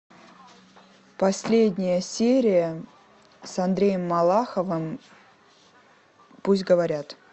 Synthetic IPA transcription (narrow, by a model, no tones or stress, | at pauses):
pɐsʲlʲedʲnʲɪjəsʲeɾʲɪjə | sɐnd̪ɾʲejəmːɐlˠaxəvəm | pusʲtʲɡəvɐɾʲat̪